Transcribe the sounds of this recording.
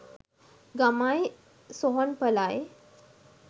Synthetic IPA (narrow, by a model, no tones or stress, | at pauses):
ɡamaj | soɦɔnpəlaj